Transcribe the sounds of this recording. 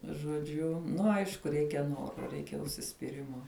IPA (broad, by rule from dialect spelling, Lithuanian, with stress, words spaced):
ʒoːˈd͡ʒʲʊ ˈnʊ ˈɐɪʃkʊ ˈrʲɛɪkʲɛ ˈnoːroː ˈrʲɛɪkʲɛ ʊʃʲsʲɪsʲpʲiːˈrʲɪmoː